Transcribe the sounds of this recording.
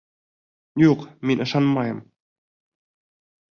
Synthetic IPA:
juqmʲinʲɤ̆ʃɑnmɑjɤ̆m

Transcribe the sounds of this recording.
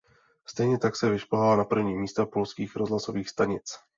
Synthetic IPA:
st̪ɛjɲɛt̪aksɛvɪʃpoɦalanapr̩vɲiːmiːst̪apolskiːxɾozlaso̞viːxst̪aɲɪt͡s

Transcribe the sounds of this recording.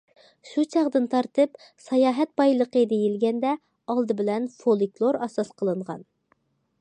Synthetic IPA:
ʃut͡ʃʰɑʁd̪ɨnt̪ʰɑɾt̪ɨp | sɑjɑːɦɛt̪̚bɑjlˠəqəd̪ejilɡʲɛnd̪ɛ | ɑlˠd̪ɨbɪlɛnfolˠiklˠoɾɑsɑsqʰəlˠɨɴʁɑ̰n

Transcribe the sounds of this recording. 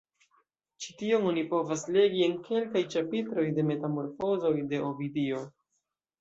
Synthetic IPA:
t͡ʃi̥tio̞no̞nipo̞vasle̞ɡie̞nke̞lkajt͡ʃapitɾo̞jde̞me̞tamo̞ɾfo̞zo̞jde̞ʔovidio̞

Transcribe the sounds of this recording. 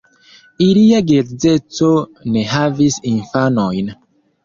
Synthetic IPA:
iliaɡeɾze̞t͡sone̞ɦavisinfanojn

